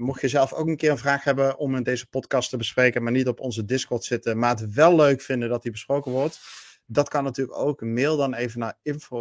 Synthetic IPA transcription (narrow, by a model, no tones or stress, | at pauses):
mɔχtjəzɛlˠfo̰wkənkɪːrənvraːχɦɛbəʔɔmɪndejzəpɔtkɑstəbəsprejkənmaːɹnitɔpɔnzədɪskɔɹtsɪtəmaːətʋɛlˠːøɥkfɪndədɑtibəsprowkənʋɔɹt | dɑtkɑnːatyːləkowkmɪːɹdɑnejvənaːɹɪnfo